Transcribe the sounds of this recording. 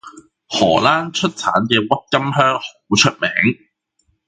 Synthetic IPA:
hɔː˨˩laː˥nt͡ʃʰɵ˥t̚t͡sʰa̰ː˨˥nkɛː˧wɐ˥t̚kɐ˥mɦœː˥ŋho˨˧˥wt͡ʃʰɵ˥t̚mɛː˨˥ŋ

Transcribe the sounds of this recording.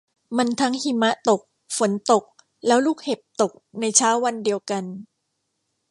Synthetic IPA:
ma˧nt̪ʰa˦˥ŋhi˧mːa˦˥ʔt̪o˨˩k̚ | fo˩˦nt̪o˨˩k̚ | lɛː˦˥wluː˥˩k̚he˨˩p̚t̪o˨˩k̚na˧jt͡ɕʰaː˦˥wːa˧ndi˧əwka˧n

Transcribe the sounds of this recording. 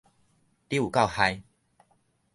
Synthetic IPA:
t̪i˥˦u˨˩ka˥˧˨ʊha˧j

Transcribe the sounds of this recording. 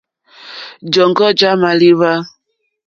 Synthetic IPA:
d͡ʒɔ˨ŋɡɔ˦d͡ʒa˦ma˨li˦βa˦

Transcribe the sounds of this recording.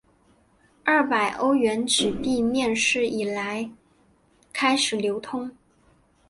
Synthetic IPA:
ɐ˥˩pa˨˩ɪʔo˥ʊɥɛ˧˥nʈ͡ʂɻ̩˨˩pi˥˧mjɛ˥˧nʂɻ̩˥˩i˨˩la˧˥ɪ | kʰa˥ɪʂɻ̩˨˩ljo˧˥ʊt̪ʰʊ˥ŋ

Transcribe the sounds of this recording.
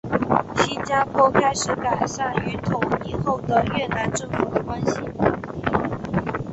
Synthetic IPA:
ɕi˥nt͡ɕja˥pʰwɔ˥kʰa˥ɪʂɻ̩˨˥˦ka˨˩ɪʂa˥˩ny˧˥t̪ʰʊ˨˥ŋi˥˧xo˥˩ʊd̪ə˨˩ɥɛ˥˩na˧˥nʈ͡ʂɤ˥˩fu˨˩d̪ə˨˦kwa˥nɕi˨˦

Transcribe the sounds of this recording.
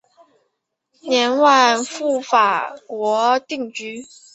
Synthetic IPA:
njɛ˧˥nwa˥˧nfu˥˩fa˨˩kwɔ˧˥t̪i˥˩ŋt͡ɕy˥

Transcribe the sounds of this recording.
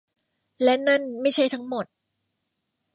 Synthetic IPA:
lɛ˦˥na˥˩nma˥˩jt͡ɕʰa˥˩jt̪ʰa˦˥ŋmo˨˩t̪̚

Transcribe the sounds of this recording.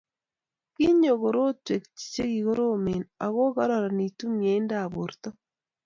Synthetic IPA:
ki˦ɲo˨ɣo˨ɾo˦twe˨kt͡ʃi̥˨t͡ʃe˦ɣi˨ɣo˦ɾo˦me˨na˨ɣo˦ɣa˦ɾa˨ɾa˨ni˨tu˦mje˨˦i˦nda˨βo˨ɾta˦

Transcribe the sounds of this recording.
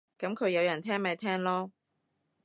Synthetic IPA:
kɐ˨˥mkʰɵ˨˧ɥjɐ˨˧wjɐ˨˩nt̪ʰɛː˥ŋmɛː˨˧˩t̪ʰɛː˥ŋlɔː˥

